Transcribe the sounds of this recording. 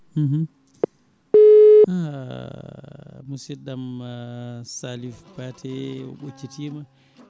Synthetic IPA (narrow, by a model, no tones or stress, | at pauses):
h̩h | a | musɛdam | salifbatʰɛɔ̰ɓot͡ʃːitima